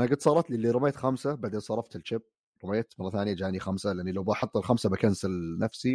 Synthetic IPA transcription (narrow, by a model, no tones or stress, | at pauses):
ʔanaɡʊd̪sˤɑːɾˤɑt̪lilːiɾʊmajːt̪xamsabaʕd̪eːnsˤɑɾˤɑft̪ɪlt͡ʃɪb̚ | ɾʊmajːat̪mɑrˤːɑθaːnjad͡ʒaːnixamsalɪʔɪnːilawbɑħɑt̪ˤːɪlxamsabakansɪlnafsi